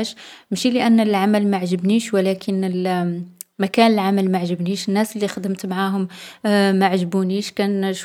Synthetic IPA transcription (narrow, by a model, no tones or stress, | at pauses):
ʃmʃiləʔænːlʕaməlmaʕʒəbniʃwəlækʰənəl | mækænəlʕaməlmaʕʒəbniʃənːæsəlːixəd̪əmt̪maʕaɦʊmmaʕʒbuniʃkænʃ